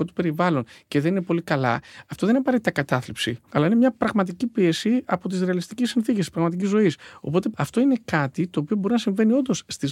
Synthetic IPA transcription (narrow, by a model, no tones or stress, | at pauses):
o̞t̪u̥pe̞ɾivɐlo̞nceðenine̞po̞likɐlɐ̰ɐft̪o̞ðeninpɐɾet̪it̪ɐkɐt̪ɐθlipsiɐlɐinemɲɐpɾɐɣmɐt̪̬icipie̞siɐpo̞t̪izɾeɐlist̪icisːinθicest̪ispɾɐɣmɐt̪̬icizo̞iso̞̰po̞t̪eɐft̪o̞ine̞kɐt̪it̪o̞ːpio̞bo̞ɾinɐsiɱve̞nio̞nd̪o̞sːt̪iz